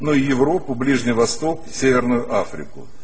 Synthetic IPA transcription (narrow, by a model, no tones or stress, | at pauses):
noɪjɪvɾo̞pʊblʲiʐnʲɪjvɐst̪o̞ksʲevʲɪrnʊjʊʔafɾʲɪ̰kʊ̰